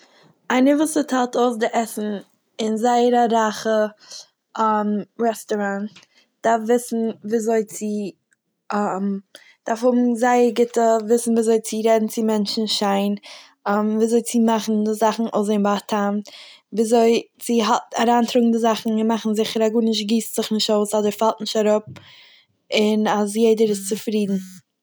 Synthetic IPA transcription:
aɪnəvuːsətʰalˠtoʊs̬dɪʔɛsn̩ | ɪnzaɪəɾaɾaχə | amɾɛstɔɾant | d̥afvɪsn̩viːzoɪt͡sɪ | m | d̥aɾfhʊbm̩zaɪəɾɡɪtəvɪsn̩viːzoɪt͡sɪɾɛdn̩t͡sɪmɛnt͡ʃn̩ʃaɪn | mviːzoɪt͡sɪmaχn̩dɪzaχn̩ʔo̰ʊzeɪmbatʰamt | viːzoɪt͡sɪɦataɾaːntɾʊɡŋ̩dɪzaχn̩ɪnmaχn̩zɪχəɾaɡuːnɪʃ̬tɡiːstz̥ɪχnɪʃtoʊsɔdəɾfalˠtnɪʃtaɾʊp̚ | ɪnazjeɪdəɾɪst͡sɪfɾiːdn̩

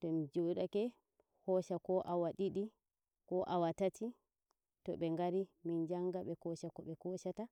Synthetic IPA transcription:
tɔmid͡ʒuɗakɛ | hɔʃakɔʔawaɗiɗi | kɔʔawatatʰi | tɔɓɛŋɡaɾimind͡ʒaŋɡaɓɛkɔʃakɔɓɛkɔʃata

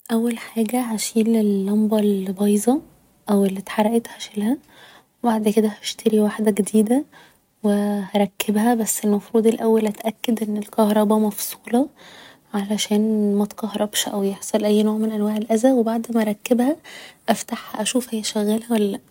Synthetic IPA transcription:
ʔæwːælħaːɡæɦæʃiːlelːɑmbɑlbɑjzˤɑ | ʔæwelːit̪ħɑɾˤɑʔet̪hæʃelhæ | webaʕd̪ked̪æhæʃt̪ʰeɾiwaħd̪æɡed̪iːd̪æ | wehæɾˤɑkːebhæbæsːelmɑfɾuːd̪elʔæwːælʔæt̪ʔækːæd̪ʔenːelkɑhɾˤɑbɑmɑfsˤuːlɑ | ʕalæʃæːnmæt̪qɑhɾˤɑbʃʔæwjeħsˤɑlʔæjːnoːʕmenʔænwæːʕelʔæzæwebaʕd̪mæʔɾˤɑkːebhæʔæft̪aħhæʔæʃuːfʔæjːæʃæɣːælhæwælːælæʔ

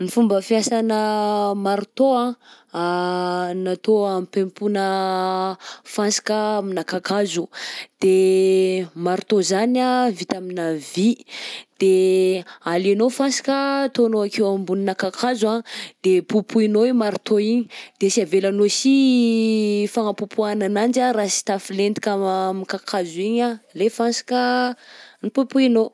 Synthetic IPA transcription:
nifumbəfiasanəmaɾit̪oã | nat̪oamipempunə | fansi̥kəminakakazud̪̥e | maɾit̪ozanavit̪aminavid̪̥e | alenofansi̥kət̪onoakewambuninakakʰazad̪̥epupʰuinoemaɾut̪oiɲi̥d̪̥esiavelanosi | faŋəpupuananand͡ʒaɾasi̥t̪afilend̪ikʲamikakʰazuiɲalefansḁkə | nipupuino

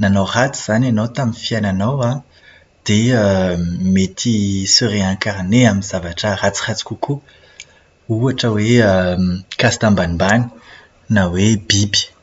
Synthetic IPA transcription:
nanorat͡siz̥ananowt̪aminfiananowa | d̪̥eəmet̪ʰisøɾeãŋkaɾneaminz̥avaʈ͡ʂərat͡si̥rat͡si̥kukʰu | uaʈ͡ʂəweəkast̪ãmbanibani̥ | nawebibi̥

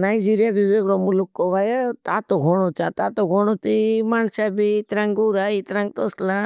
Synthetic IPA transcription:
najd͡ʒiɾijabiʋeɡɽomulukːoʋajat̪at̪oɡʱoɽ̃ot͡ʃat̪at̪oɡʱoɽ̃ot̪imaːnsabit̪ɾãŋɡuɾait̪ɾãŋɡ̚t̪oslã

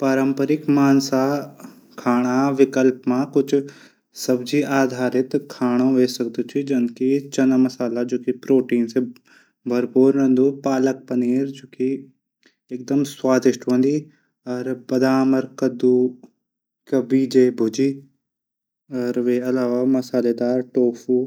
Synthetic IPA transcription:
pɐɾəmpəɾɪkmaːnsa | kʰaːɽ̃aʋɪkəlpmãkʊt͡ʃʰ | sɐbd͡ʒʱiʔaːd̪ʱaːɾɪt̪kʰaːɽ̃õʋeːsɐk̚d̪ut͡ʃʰid͡ʒɐnkit͡ʃɐnamɐsaːlad͡ʒoːkipɾoːʈiːnse | bʱɐɾpuːɾnɐ̃nd̪upaːlək̚pɐniːɾd͡ʒoːki | ek̚d̪əmswaːd̪ɪʃʈɦõnd̪i | ɔːɾbɐd̪aːməɾkɐd̪u | kɐbiːd͡ʒeːbʱʊd͡ʒiː | ɔɾʋeːɐlaːʋamɐsaːled̪aːɾʈoːfu

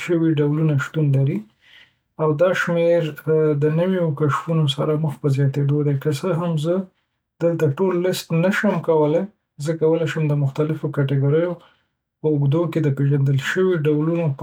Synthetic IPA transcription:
ʃəwiɖawlunaʃt̪unlaɾi | awd̪ɑʃmeɾd̪ənəwiokaʃfunosaɾaməxpəzjɑt̪ed̪od̪akəsəɦamzə | d̪̥əlt̪aʈolːɪst̪nəʃəmkawəlaj | zəkawəlajʃəmd̪əmʊxt̪alɪfokaʈeɡoɾəjo | pəʊɡd̪oked̪əpeʒand̪əlʃəwiɖawlunop

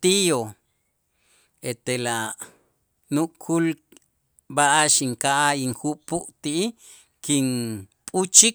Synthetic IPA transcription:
t̪ijo | et̪ela | nuʔkʰul | baʔaʃiŋkaʔaiŋxupuʔt̪iʔi | kinpʼut͡ʃik

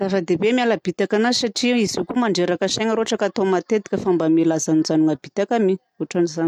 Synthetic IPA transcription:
zafəd̪ebemialab̥it̪akanazisaʈ͡ʂiizukumaɳɖ͡ʐeɾakaseŋəɾoaʈ͡ʂəkat̪omat̪et̪i̥kʲəfambamelazanud͡zanuŋab̥it̪akami | oaʈ͡ʂanizani

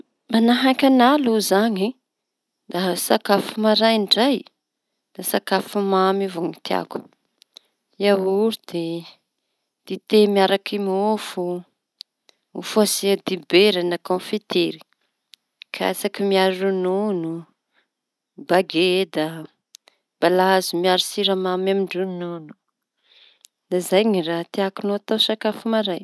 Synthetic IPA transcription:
manaɦakʲanaluzaɲi | d̪̥aɦsakafumaɾajiɳɖ͡ʐaj | d̪̥asakafumamivoŋit̪a̰ku̥ | jawuɾud̪̥e | d̪̥it̪emiaɾakimofu | ufuasiad̪ibeɾanakõfit̪eɾi̥ | kʰaa̰sakimiaɾununu | baɡed̪a | b̥alazimiaɾisiɾamamamiɳɖ͡ʐununu̥ | nazajɲirat̪iakunoat̪awsakafumaɾaj

